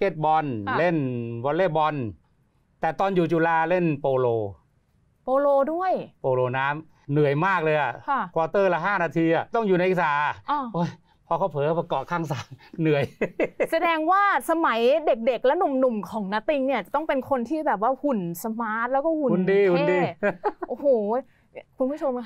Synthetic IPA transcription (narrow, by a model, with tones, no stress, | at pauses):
keː˦˧˥t̪̚bɔ˧nle˥˩nbɔ˧nleː˥˩bɔ˧n | t̪ɛː˨˩t̪ɔː˧njuː˨˩t͡ɕuː˧˩laː˧le˥˩npoː˧loː˧ | poː˧loː˧du˥˩əjpoː˧loː˧naː˦˥m | nɯ˨˩əjmaː˥˩k̚lɤː˧jʔa˨˩˧kʰwaː˧t̪ɤː˥˩la˧ɦaː˥˩naː˧t̪ʰiː˧ʔa˨˩t̪ɔ˥˩ŋjuː˨na˧jʔi˧saː˨˦ʔaː˧˩ʔoː˦˧˩j | pʰɔː˧kʰa˧˥˩wpʰɤː˨˦˧pa˧kɔː˨˩kʰaː˧˥˩ŋsaː˨˦ŋnɯ˨˩əjsa˧dɛː˧ŋwaː˥˩sa˧ma˩˦jde˨˩k̚de˨˩k̚lɛ˦˥nu˨˩mnu˨˩mkʰɔː˩˦ŋna˦˥t̪i˧ŋni˥˩ɐt͡ɕa˨˩t̪ɔ˥˩ŋpe˧nkʰo˧nt̪ʰiː˥˩bɛː˨˩p̚waː˥˩hu˨˩nsa˧maː˦˥t̪̚lɛː˦˥wkɔː˥˩hu˨˩u˧ndiː˧hu˧enː˥diː˧ʔoː˧˩hoː˨˩ | kʰu˧npʰu˥˩t͡ɕʰo˧mkʰ